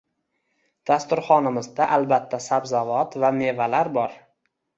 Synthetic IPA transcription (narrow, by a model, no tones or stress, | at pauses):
d̪̥ast̪ʊɾχɒnɪmɪzd̪aʔalbat̪ʰːasabzavɒt̪vame̞valaɾbɒɾ